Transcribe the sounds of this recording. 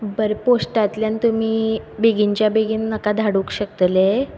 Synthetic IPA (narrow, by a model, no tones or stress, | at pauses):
bəɾposʈat̪ljant̪umiːbeɡiɲt͡ɕjabeɡinːəkad̪ʱaɽũkɕək̚t̪le